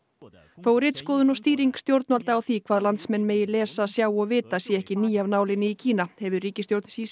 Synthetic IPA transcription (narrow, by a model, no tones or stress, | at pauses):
θowrɪːt̪skɔːðʏnɔst̪iːɾiŋkst̪jowɾt̪nalt̪aːwθikʰvaːðlant̪smɛnːmeːjɪlɛːsasjaːwɔɣvɪːt̪asjɛɛhcɪniːjavnaːwlɪnɪicʰiːnahɛvʏriːcɪst̪jowɾt̪nsiːs